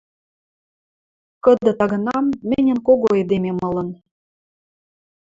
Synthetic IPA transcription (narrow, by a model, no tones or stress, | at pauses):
kɤ̆d̪ɤ̆t̪ɑɣɤ̆nɑmːɘnʲə̆nkoɣoed̪ememɤ̆lɤ̆n